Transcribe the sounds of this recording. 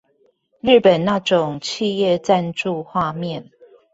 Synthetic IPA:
ɻ̩˥˩pə˨˩nna˥˨ʈ͡ʂʊ˨˩ŋt͡ɕʰi˥˧jɛ˥˨t͡sa˥˧nʈ͡ʂu˥˧xwa˥˧mjɛ˥˨n

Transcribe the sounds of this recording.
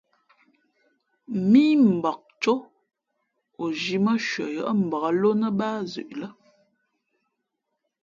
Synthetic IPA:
miː˦m̩˨bɔ˨k̚t͡ʃo˦ | o˨d͡ʒi˨mə˦ʃɥwə̰˨jə̰˨ʔə˦m̩˨bə˨ɣə˨lo˦nə˦ba˦zʉ̰˨ʔlə˦

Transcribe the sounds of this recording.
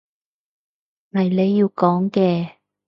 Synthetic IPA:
ŋɐ˨jle˨˧jːiː˧wkɔː˨˥ŋkɛː˧

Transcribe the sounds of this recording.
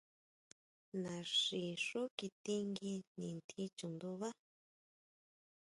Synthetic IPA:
nã˨ʂi˨ʂu˦ki˧t̪i˧ŋɡi˧nĩ˨nt̪ʰi˧t͡ʃu˨nd̪u˧βa˦

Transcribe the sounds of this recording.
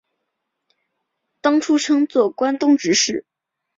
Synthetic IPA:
t̪ɑ˥ŋʈ͡ʂʰu˥ʈ͡ʂʰɤ˥ŋt͡swɔ˥˩kwa˥nt̪ʊ˥˧ŋʈ͡ʂɻ̩˧˥ʂɻ̩˥˩

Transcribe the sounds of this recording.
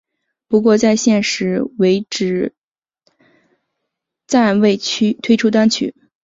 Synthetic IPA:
pu˧˥kwɔ˥˧t͡sa˥˧ɪɕjɛ˥˩nʂɻ̩˧˥we˧˥ɪʈ͡ʂɻ̩˨˩ | t͡sa˥˩nwe˥˩ɪt͡ɕʰy˥t̪ʰwe˥ɪʈ͡ʂʰu˥t̪a˥nt͡ɕʰy̰˨˩˦

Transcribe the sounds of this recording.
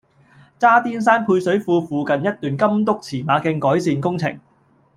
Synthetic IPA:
t͡saː˥t̪iː˥ns̬aː˥npʰuː˧jsɵ˨˥ɥfuː˧fuː˧kɐ˨njɐ˥t̚t̪yː˨nkɐ˥mt̪ʊ˥k̚t͡sʰiː˨˩maː˨˧kɪ˧ŋkɔː˨˥jsiː˧nkʊ˥ŋt͡sʰɪ̰˨˩ŋ

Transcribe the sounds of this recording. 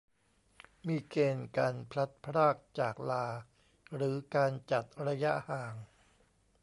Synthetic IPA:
miː˧keː˧nkaː˧npʰla˦˥t̪̚pʰɾaː˥˩k̚t͡ɕaː˨˩k̚laː˧ | ɾɯː˩˦kaː˧nt͡ɕa˨˩t̪̚ɾa˧ja˦˥ʔhaː˨˩ŋ

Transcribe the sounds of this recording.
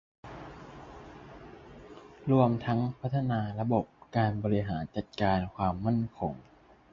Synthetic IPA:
ɾu˧əmt̪ʰa˦˥ŋpʰa˦˥t̪ʰːa˧naː˧ɾa˧bo˨˩p̚kaː˧nbɔː˧ɾi˧ɦaː˩˦nt͡ɕa˨˩t̪̚kaː˧nkʰwaː˧mːa˥˩nkʰo˧ŋ

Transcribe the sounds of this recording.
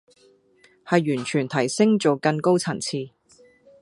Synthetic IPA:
hɐ˨jːyː˨˩nt͡ʃʰyː˨˩nt̪ʰɐ˨˩jsɪ˥ŋt͡ʃo˨wkɐ˧nko˥wt͡sʰɐ˨˩nt͡sʰiː˧

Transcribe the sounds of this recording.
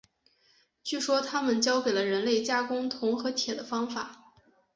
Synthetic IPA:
t͡ɕy˥˩ʂwɔ˥t̪ʰa˥mə˨nt͡ɕjɑ˥ʊke˨˩ɪlə˦ɻə˧˥nle˥˩ɪt͡ɕja˥kʊ˥ŋt̪ʰʊ˧˥ŋxɤ˧˥t̪ʰjɛ˨˩d̪ə˦fɑ˥ŋfa˨˩˦

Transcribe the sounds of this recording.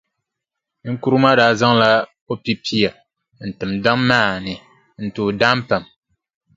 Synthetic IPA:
ŋ̩˦ku˦ɾu˦ma˦daː˨za˦ŋla˦ | o˦pi˦pʰi˦a˨ | n̩˨tɨ˨mda˦ŋmaː˦˨nɨ˨ | n̩˨tuː˨daː˦m˦pa˨m

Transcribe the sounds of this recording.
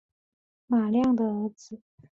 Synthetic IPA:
ma˨˩ljɑ˥˩ŋd̪ə˩ə˧˥d͡zɹ̩˧

